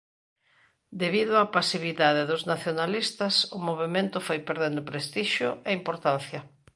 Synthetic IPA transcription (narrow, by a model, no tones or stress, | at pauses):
d̪eβiðʊapasiβiðaðeðʊznaθjonalist̪ɐsʊmoβemẽnt̪ʊfojpeɾðend̪ʊpɾest̪iʃʊeimpoɾt̪anθjɐ